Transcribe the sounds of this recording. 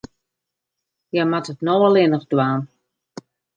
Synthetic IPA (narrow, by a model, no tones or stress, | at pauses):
jɛmatətnowalˠɪnəχdwaːn